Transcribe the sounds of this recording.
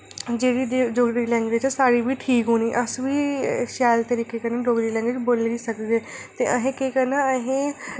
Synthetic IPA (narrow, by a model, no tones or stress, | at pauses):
d͡ʒeːɽiːd͡ʒoːɡɾiːlɛ̃ːŋɡʋed͡ʒsaːɽiːbiːʈʰiːkɦoːniːʔəsʋiːʃaːlt̪əɾiːkeːkənãːd͡ʒoːɡɾiːlɛ̃ːŋɡʋeːd͡ʒboːliːsəkdeːt̪eːʔəɦẽːkeːkənaːəɦẽː